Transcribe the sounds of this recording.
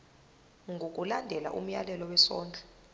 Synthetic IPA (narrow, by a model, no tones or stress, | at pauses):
ŋɡʱok̬ʼulandʱɛla̰ʔṵm̩jalɛlɔwɛsɔ̰ːnd͡ɮʱɛ̥